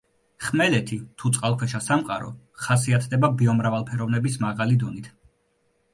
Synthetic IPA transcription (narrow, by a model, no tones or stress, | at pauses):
χmɛlɛt̪ʰit̪ʰut̪sʼqʼalˠkʰwɛʃasamqʼa̰ɾɔ̰ | χasiat̪ʰd̪ɛbabiɔmɾavalˠpʰɛɾɔvnɛbismaʁalid̪ɔnit̪ʰ